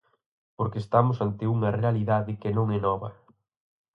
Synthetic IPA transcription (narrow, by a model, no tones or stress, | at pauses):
poɾkeːst̪amʊsant̪ɪuŋɐrealiðaðɪkenõŋɛnɔβɐ